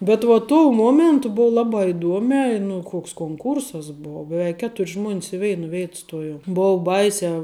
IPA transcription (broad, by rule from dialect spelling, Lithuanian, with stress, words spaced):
bʲɛt ʋɐ tuɔ ˈmuɔmʲɛntʊ ˈbʊw ˈlˠɑːbɑː ɪˈduɔmʲɛː ɪ nʊ ˈkoːks koːŋˈkuːrsɐs ˈbuɔ bʲɛˈʋʲɛɪk ˈkʲæːtʊrʲ ʒmuɔnʲs ɪ ˈʋʲɛɪnɐ ˈʋʲeːɪt ˈstoːjoːm ˈbʊʊ ˈbɐɪsʲæː